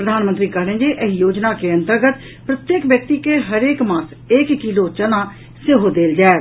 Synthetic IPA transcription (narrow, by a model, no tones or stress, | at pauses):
pɾəd̪ʱaːnmənt̪ɾiːkəɦɽẽnd͡ʒiːʔɪjoːd͡ʒnaːkeə̃nt̪əɾɡət̪ | pɾət̪jeːkʋjək̚t̪iːkeːɦəɾeːkmaːs | ɪkːiloːt͡ʃənãː | seɦod̪eːld͡ʒɛː